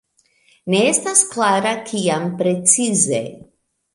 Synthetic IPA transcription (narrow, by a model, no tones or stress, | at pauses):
ne̞estasklaɾakʰiampɾe̞t͡size̞̰